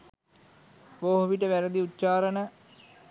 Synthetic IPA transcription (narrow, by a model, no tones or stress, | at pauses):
ʋoːɦoʋiʈəʋæɾəd̪iut̪ːt͡ʃaːɾənə